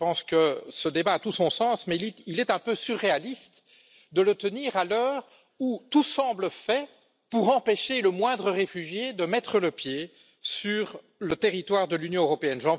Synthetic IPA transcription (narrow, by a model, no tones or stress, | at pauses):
pɑ̃skəsəd̪ebaːt̪usɔ̃sɑ̃ːsmɛlilɛt̪ɛ̃pøsyʁːealist̪ | d̪ələt̪əniːʁalœːʁ | ut̪usɑ̃ːbləfɛ | puʁɑ̃peʃeləmwɛ̃d̪ʁəʁefyʒjed̪əmɛt̪χələpje | syʁ | lət̪eʁit̪waːʁd̪əlynjɔ̃øʁɔpeɛnʒɑ̃